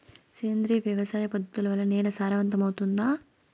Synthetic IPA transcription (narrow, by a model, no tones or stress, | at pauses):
seːnd̪ɾiʋjɐʋɐsaːjɐpɐd̪ʱɐt̪ulɐʋɐlːɐnɛːlɐsaːɾɐʋɐnt̪ɐmɐwt̪und̪aː